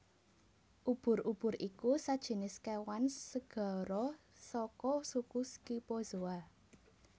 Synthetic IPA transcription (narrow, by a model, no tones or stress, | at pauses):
ʔub̥ʊ̤rʔub̥ʊ̤ɾikusad̥ʒ̥e̤nɪskewansəɡ̥ɔ̤ɾɔ | sɔkɔsukuskipozoa